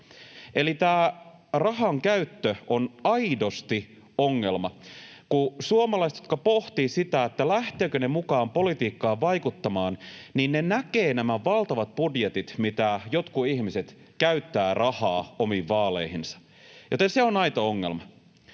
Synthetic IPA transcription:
e̞lit̪æːrɑɦɑŋkæyt̪ːøʔonɑido̞st̪i | oŋːe̞lmɑkusuomɑlɑist̪jot̪̚kɑpo̞ht̪isit̪æet̪ːælæht̪øːkønemukɑːmpo̞lit̪iːkːɑːʋɑjkut̪ːɑmɑːnninnenækeːnæmæʋɑlt̪ɑʋɑt̪̚pudjet̪it̪mit̪æjot̪kuiçmiset̪ | kæyt̪ːæːrʔɑhɑːomiʋːɑːlḛihinsɑ̥ | jot̪enseonɑjt̪ooŋːe̞̰lmɑ

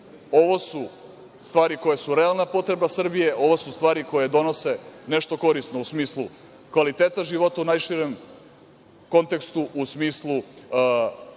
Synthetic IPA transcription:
o̞ʋo̞su | st̪ʋaːɾiko̞jesuɾealˠnapo̞t̪ɾe̞basr̩bije̞ʔo̞ʋosust̪ʋaːɾiko̞jed̪o̞no̞se̞neʃt̪o̞ko̞ɾist̪nousmiːslˠu | kʋalit̪eːt̪aʒiʋo̞t̪aunajʃiɾem | ko̞nt̪e̞kst̪uʔusmiːslˠu

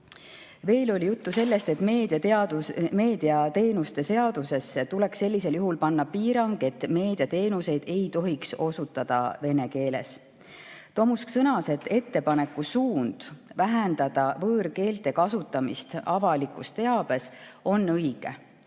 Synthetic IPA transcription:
ve̞ːlo̞lʲijut̪ːuse̞lːe̞st̪e̞t̪ːmeːd̪iɑt̪ɑd̪ume̞ːd̪̥iɑt̪e̞ːnust̪e̞se̞ɑd̪̥use̞sːet̪ule̞kse̞lʲːise̞ljuɦulpɑnːɑpiːɾɑŋɡ̥e̞t̪ːˑme̞ːd̪̥ijɑt̪e̞ːnuse̞jd̪e̞jt̪o̞ɦikso̞sut̪ːˑɑd̪̥ɑ̰ve̞ne̞ke̞ːle̞̰s | t̪o̞musksɤnɑse̞t̪ːe̞t̪ːe̞pɑne̞kːˑusuːnd̪̥væɦend̪̥ɑd̪̥ɑvɤːrke̞ːlt̪e̞kɑsut̪ːˑɑmist̪ɑvɑlikust̪e̞ɑb̥e̞so̞nːɤjɡ̥e̞̰

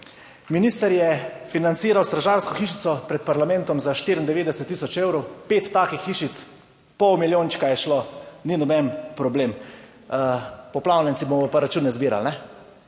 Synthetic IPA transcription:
minist̪əɾjɛfinant̪siːɾawst̪ɾaʒaːɾskɔxiʃit̪sɔpɾɛt̪̚paɾlamɛnt̪ɔmzaʃt̪iːɾind̪ɛʋeːd̪ɛsɛt̪ːisɔt͡ʃewɾɔwpeːt̪ːaːkixːiʃit̪s | pɔwmiljoːnt͡ʃkajɛʃloninɔbɛnpɾɔbleːm | pɔplawnʲɛnt̪ibomɔpaɾat͡ʃuːnɛzbiːɾa̰lnɛ

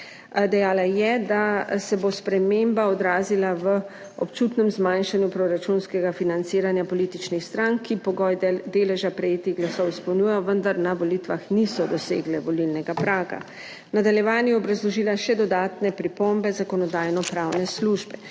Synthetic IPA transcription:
d̪ɛjaːlajɛd̪asɛbospɾɛmembaɔd̪ɾaːzilaʋə | ɔpt͡ʃut̪nɛmzmanʃanjupɾɔɾat͡ʃunskɛɡafinant̪siːɾanjapɔlit̪it͡ʃnixst̪ɾaŋkʰːipɔɡɔjd̪eːlɛʒapɾɛjeːt̪iɣɡlasɔwispɐwnuːjɛjɔʋənd̪aɾnaʋolit̪ʋaxnisɔd̪ɔsḛːɡlɛʋɔlilnɛɡapɾaːɡa̰ | nad̪aljɛʋaːnjɛɔbɾazlɔʒiːlaʃɛd̪ɔd̪aːt̪nɛpɾipombɛzakɔnɔd̪aːjnɔpɾaːwnɛsluʒbɛ

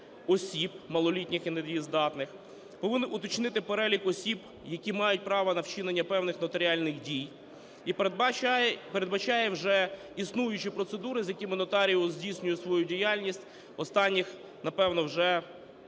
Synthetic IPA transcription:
ɔsʲib̚mɐlˠɔlʲitʲnʲɪxined̪ʋʲizd̪ɑt̪nɪx | pɔʋɪnːɪʔʊt̪ɔt͡ʃnɪt̪ɪpeɾɛlʲikɔsʲib | jɐkʲimɑjʊt̚ʲpɾɑʋɐnɐwt͡ʃɪnenʲːɐpɛwnɪxnɔt̪eɾʲɪɑlʲnɪxdʲij | ip | peɾed̪bɐt͡ʃɑjɛwʒɛ | isnujʊt͡ʃipɾɔt̪sed̪uɾɪzʲjɐkʲimɪnɔt̪ɑɾʲiɔzʲdʲijsʲnʲʊjʊsʋɔjudʲijɑlʲnʲisʲtʲ | ɔst̪ɑnʲːix | nɐpɛwnɔwʒɛ

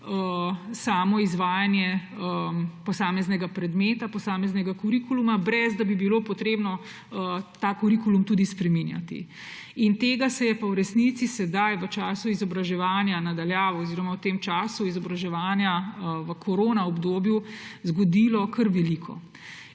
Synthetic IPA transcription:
əsaːmɔizʋaːjanjɛəpɔsaːmɛznɛɡapɾɛd̪meːt̪apɔsaːmɛznɛɡakuɾikulumabɾɛzd̪abibiloːpɔt̪ɾeːbnɔ | ət̪akuɾikulumt̪uːd̪ispɾɛminja̰t̪ḭ | int̪eːɡasɛjɛpawɾɛsnit̪sisɛd̪ajʋət͡ʃaːsuizɔbɾaʒɛʋaːnjanad̪aljaːʋɛɔziːɾɔmawt̪eːmt͡ʃaːsuizɔbɾaʒɛʋaːnjaʋəkʰoɾoːnaɔbd̪oːbjuzɡɔd̪ilɔkəɾʋɛlikʰɔ̰

